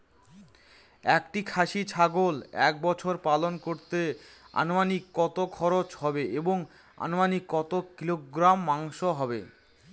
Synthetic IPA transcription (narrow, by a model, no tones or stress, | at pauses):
ɛkʈikʰaʃit͡ɕʰaɡolɛ̰k̚bɔt͡ɕʰoɾpalonkoɾt̪e | a̰nomanikːɔt̪okʰɔɾot͡ɕɦɔbeeboŋ | a̰nomanikːɔt̪okiloɡɾamːaŋʃoɦɔbḛ